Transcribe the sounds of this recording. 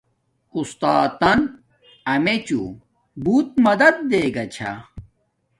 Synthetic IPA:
ust̪aːt̪ɐn | ɐmet͡ɕṵ | buːt̪̚mɐd̪ɐd̪̚ːeːɡɐt͡ɕʰa̰

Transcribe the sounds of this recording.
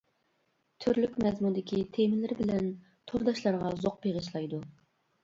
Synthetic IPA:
t̪ʰyɾlykʲmɛzmund̪ɪkʲit̪ʰemɪlɪɾbɪlɛn | t̪ʰoɾd̪ɑʃlˠɑɾʁɑzoq̚beʁəʃlˠɑjd̪u

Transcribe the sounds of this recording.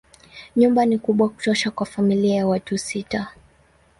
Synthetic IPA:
ɲumbanikuɓwaku̥tɔʃakwafamiliajawatusita

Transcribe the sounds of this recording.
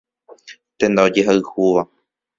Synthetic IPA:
t̪ẽnd̪aod͡ʒeɦaɨhuʋa

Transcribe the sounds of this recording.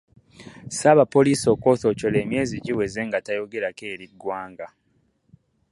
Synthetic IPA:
saβapo̞liːso̞ːko̞ːθo̞co̞le̞ːmje̞ːziɟiwe̞ze̞ŋɡatajo̞ɡe̞ɾake̞ːɾidwaːŋɡa

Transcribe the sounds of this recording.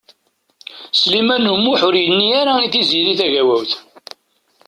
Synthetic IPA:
slimænumːʊħʊɾjənːiaɾaiθiziɾiθæʝæwæwθ

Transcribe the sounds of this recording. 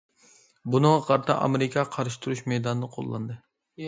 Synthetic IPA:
bunɨŋʁɑqʰɑɾt̪ʰɑ̰ʔɑ̰meɾɪkʰɑqʰɑɾʃɪ̥t̪ʰuɾuʃmejd̪ɑnɨnɨqʰo̰lˠːɑ̰nd̪ɨ

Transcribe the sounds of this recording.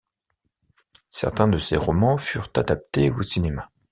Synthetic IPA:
sɛ̰ʁt̪ɛ̃d̪əseʁɔmɑ̃fyʁt̪ad̪ap̚t̪eosinema

